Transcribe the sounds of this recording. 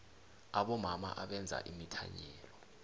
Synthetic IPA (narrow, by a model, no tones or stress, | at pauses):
aɓɔmama̰ʔaɓɛnd͡zʱa̰ʔimitʰaɲɛːlɔ